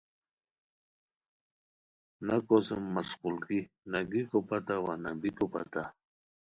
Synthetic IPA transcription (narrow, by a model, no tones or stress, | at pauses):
nakosəmːasqulki | naɡikopat̪awanabikopa̰t̪a